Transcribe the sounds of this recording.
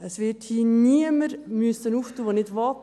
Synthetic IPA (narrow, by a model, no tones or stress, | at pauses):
əsʋɪthiːniəməɾmyəsənuːftuːʋonɪdʋɔt